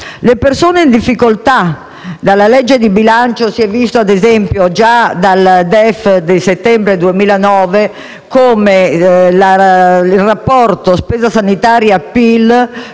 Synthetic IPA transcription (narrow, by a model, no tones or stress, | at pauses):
lepersoːneind̪ifːikolt̪a | d̪alalɛd͡ʒːed̪ibilant͡ʃosiɛvːist̪oad̪ezɛmpjod͡ʒad̪ald̪ɛfd̪eset̪ːɛmbɾed̪uemiːlanɔːve | koːmelailrapːɔrt̪ospɛːzasanit̪aːɾjapːil